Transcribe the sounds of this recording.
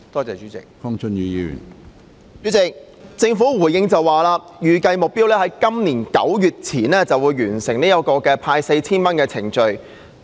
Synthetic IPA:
t̪ɔː˥t͡sɛː˨t͡ʃyː˨˥t͡sɪ̰˨˩k̚fɔ˥ŋt͡ʃʰɵ˥njyː˨˧jiː˧y̰˨˩n | t͡ʃy˨˥t͡sɪ˨k̚ | t͡sɪ˧ŋfuː˨˥wuː˨˩jɪ˧ŋt͡sɐ˨waː˨˩laː˧jyː˨kɐ˧jmʊ˨k̚piː˥wlɛː˥ɦɐ˨˥jkɐ˥mniː˨˩nkɐ̰˨˥wjyː˨t̚t͡sʰiː˨˩nɛː˥t͡sɐ˨wuː˨˧jːyː˨˩nsɪ˨˩ŋniː˥jɐ˧˥t̚kɔː˧kɛː˧pʰaː˧jse˧jt͡sʰiː˥nmɐ˥nkɛː˧t͡sʰɪ˨˩ŋt͡ʃɵ˧ɥ

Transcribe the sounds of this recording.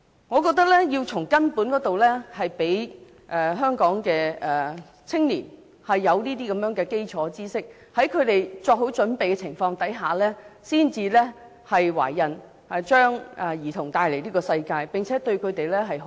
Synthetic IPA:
ŋɔː˨˧kɔː˧k̚t̪ɐ˥k̚lɛː˥jiː˧wt͡sʰʊ˨˩ŋkɐ˥npuː˨˥nkɔː˨˥t̪o˨wlɛː˥hɐ˨jpe˨˥j | ʔɛ˨ɦœː˥ŋkɔː˨˥ŋkɛː˧ɛ˨ | t͡sʰɪ˥ŋliː˨˩n | hɐ˨jːɐ˨˧wniː˥t̪iː˥kɐ˨˦mjœː˨˥ŋkɛː˧ke˥jt͡sʰɔː˨˥t͡siː˥sɪ˥k̚ | hɐ˨˥jkʰɵ˨˧t̪e˨jt͡ʃɔː˧k̚ɦo˨˥wt͡ʃɵ˨˥npe˨jkɛ˧t͡sʰɪ˨˩ŋfɔː˧ŋt̪ɐ˨˥jɦaː˨lɛː˥siː˥nt͡siː˧lɛ˥ | hɐ˨jwa̰ː˨˩jːɐ˨˩n | ɐ˨t͡ʃœː˥ŋɛ˨˩jiː˨˩t̪ʰʊ˨˩ŋt̪aː˧jle˨˩liː˥kɔː˧sɐ˧jkaː˧jpɪ˨ŋt͡sʰɛː˨˥t̪ɵ˧ɥkʰɵ˨˧t̪e˨jlɛː˥ɦɐ˨j

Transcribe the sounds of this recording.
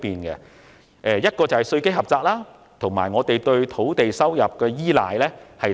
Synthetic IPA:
piː˨nɡɛ˧ | ʔɛː˨˧jɐ˥t̚kɔː˧t͡sɐ˨˩whɐ˨˩jsɵ˧ɥke˥jɦɐ˨p̚t͡saː˧k̚laː˥ | t̪ʰo˨˩ŋmaː˨˩jŋɔː˨˧t̪e˨jt̪ɵ˧ɥt̪ʰo˨˥wt̪e˨jsɐ˥wjɐ˨p̚kɛː˧jiː˥la̰ː˨˧jlɛː˥hɐ˨

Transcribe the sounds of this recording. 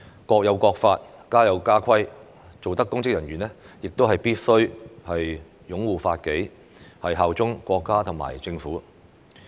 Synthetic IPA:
kɔː˧k̚jɐ˨˧wkʷɔː˧k̚faː˧t̚kaː˥jɐ˨˧wkaː˥kʰɐ˥j | t͡so˨wt̪ɐ˥kːʊ˥ŋkɪ˥k̚jɐ˨˩njɥyː˨˩nɛː˥ | jɪ˨k̚t̪o˥ɦɐ˨jpiː˥t̚sɵ˥ɥhɐ˨j | jʊ˨˥ŋwuː˨faː˧t̚ke˨˥j | hɐ˨jɦaː˨wt͡sʊ˥ŋkʷɔː˧kːaː˥t̪ʰʊ˨˩ŋma̰ː˨˩jt͡sɪ˧ŋfuː˨˥

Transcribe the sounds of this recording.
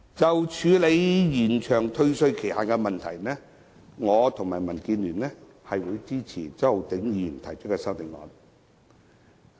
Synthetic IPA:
t͡sɐ˨wt͡ʃʰyː˨˧le˨˧jjiː˨˩nt͡ʃʰœː˨˩ŋt̪ʰɵ˧ɥsɵ˧ɥkʰe˨˩haː˨˩kɛ˧mɐ˨nt̪ʰɐ˨˩jnɛː˥ | ŋɔː˨˧t̪ʰʊ˨˩ŋmaː˨˩jmɐ˨˩nkiː˨˧nlyː˨˩nlɛ˥ | hɐ˨jwuː˨˧jt͡siː˥t͡sʰiː˨˩t͡sɐ˥˨wt̪ɪ˨˥ŋji˧i˧˨˩nt̪ʰɐ˨˩jt͡ʃkːɛː˧sɐ˥wt̪ɪ˨˥ŋɔ̰ː˨˧n

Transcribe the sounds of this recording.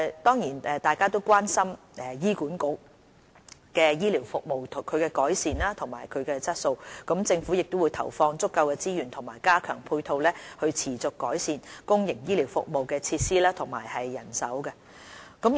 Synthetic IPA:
t̪ɔː˥ŋjiː˨˩nɛː˨˧t̪aː˨jkaː˥t̪o˥wkʷaː˥nsɐ˥m | ɛ˨jiː˥kuː˨˥nkʊ˨˥k̚ | kɛː˧jiː˥li˨˩wfʊ˨k̚mo˨wt̪ʰkʰɵ˨˧ɥkɛ˧kɔː˨˥jsiː˨nlaː˥t̪ʰʊ˨˩ŋma̰ː˨˩jkʰɵ˨˧ɥkɛː˧t͡sɐ˥t̚so˧wkɐ˨˥mt͡sɪ˧ŋfu˨˥jɪ˨k̚t̪ʊ˥wu˨˧jt̪ʰɐ̰˨˩wfɔː˧ŋt͡sʊ˥kːɐ˧wkɛː˧t͡siː˥jyː˨˩nt̪ʰʊ˨˩ŋmaː˨˩jkaː˥kʰœ̰ː˨˩ŋpʰuː˧jt̪ʰo˧wlɛː˥hɵ˧ɥt͡sʰiː˨˩t͡sʊ˨kːɔː˨˥jsiː˨nkʊ˥ŋjɪ˨˩ŋjiː˥liː˨˩wfʊ˨k̚mo˨wkɛː˧t͡sʰiː˧t̚siː˥laː˥t̪ʰʊ˨˩ŋma̰ː˨˩jhɐ˨jːɐ˨˩nsɐ̰˨˥wkɛ˧ | kɐ˨˥m

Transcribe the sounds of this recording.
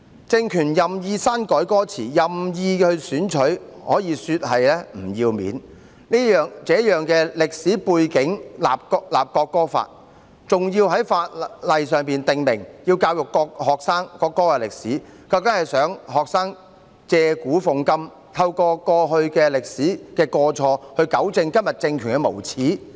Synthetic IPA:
t͡sɪ˧ŋkʰyː˨˩njɐ˨mjiː˧saː˥nkɔː˨˥jkɔː˥t͡sʰḭː˨˩jɐ˨mjiː˧hɵ˧ɥsyː˨˥nt͡ʃʰɵ˨˥ɥhɔː˨˥jiː˨˧syː˧t̚ɦɐ˨jlɛː˥m̩˨˩jiː˧wmḭː˨˥n | niː˥jœː˨ŋt͡sɛː˨˥jœː˨ŋkɛː˧lɪ˨k̚siː˨˥puː˧jkɪ˨˥ŋlaː˨p̚kːlaː˨p̚kɔː˧kːɔː˥fa̰ː˧t̚ | t͡sʊ˨ŋjiː˧wɦɐ˨˥jfaː˧t̚lɐ˨jsœː˨˩ŋpiː˨nt̪ɪ˨ŋmɪ˨˩ŋjiː˧wkaː˧wjʊ˨kːɔː˧k̚ɦɔː˨k̚saː˥ŋkɔː˧kːɔː˥kɛ˧lɪ˨k̚siː˨˥ | kɐ˧wk̪ɐ˨˥hɐ˨jsœː˨˥ŋɦɔː˨k̚saː˥ŋ | t͡sɛː˧kuː˨˥fʊ˨ŋkɐ˥m | t̪ʰɐ˧wkɔː˧kɔː˧ɦɵ˧ɥkɛː˧lɪ˨k̚siː˨˥kɛː˧kɔː˧t͡sʰɔː˧hɵ˧ɥkɐ˨˥wt͡sɪ˧ŋkɐ˥mjɐ˨t̚t͡sɪ˧ŋkʰyː˨˩nkɛ˧mo˨˩wt͡sʰiː˨˥

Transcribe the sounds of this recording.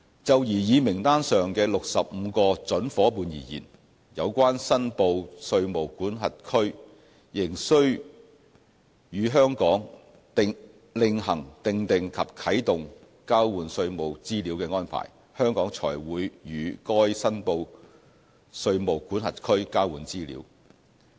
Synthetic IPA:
t͡sɐ˨wjiː˨˩jiː˨˧mɪ˨˩ŋt̪aː˥nsœː˨ŋkɛː˧lʊ˨k̚sɐ˨p̚m̩ː˨˧kɔː˧t͡sɵ˨˥nfɔː˨˥puː˨˧njḭː˨˩jḭː˨˩n | jɐ˨˧wkʷaː˥nsɐ˥npo˧wsɵ˧ɥmo˨˩wkuː˨˥nɦɐ˨t̚kʰɵ˥ɥ | jɪ˨˩ŋsɵ˥ɥ | jyː˨˧ɦœː˥ŋkɔː˨˥ŋ | t̪ɪ˨˧ŋ | lɪ˨˧ŋɦɐ˨˩ŋt̪ɪ˨ŋt̪ɪ˨ŋkʰɐ˨p̚kʰɐ˨˥jt̪ʊ˨ŋ | kaː˥wwuː˨nsɵ˧ɥmo˨˩wt͡siː˥liː˨˥wkɛː˧ŋɔː˥npʰa̰ː˨˩j | hœː˥ŋkɔː˨˥ŋt͡sʰɔ̰ː˨˩jwuː˨˥jjyː˨˧kɔː˥jsɐ˥npo˧w | sɵ˧ɥmo˨˩wkuː˨˥nɦɐ˨t̚kʰɵ˥ɥkaː˥wuː˨˥nt͡siː˥lḭː˨˥w

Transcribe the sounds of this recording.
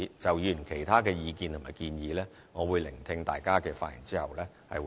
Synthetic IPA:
t͡sɐ˨wjy˨˩˨nkʰe˨˩jt̪ʰaː˥kɛː˧jiː˧kiː˨nt̪ʰmaː˨˩jkiː˧njiː˨˧lɛː˥ | ŋɔː˨˧wuː˨˧jlɪ˨˩ŋt̪ʰɪ˧ŋt̪a̰ː˨jkaː˥kɛː˧faː˧t̚jɪ̰˨˩ŋt͡siː˥hɐ˨wlɛː˥ | hɐ̰˨j

